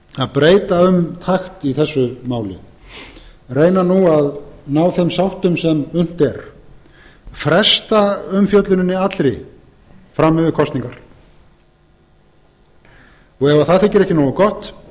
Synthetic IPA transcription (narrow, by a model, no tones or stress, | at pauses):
aðpɾeːjt̪aʏmt̪ʰaxt̪iθɛsːʏmaːwlʏ̰ | reːjnanuaðnawθejmsawht̪ʏmsɛmʏn̥t̪ɛɾ̥ | fɾɛst̪aʏmfjœt̪lʏnɪnːɪat̪lɾɪ | fɾamːʏvʏkʰɔst̪niŋkaɾ̥ | ɔɣɛvaθaðθɪcɪɾɛhcɪnoːwakɔht̪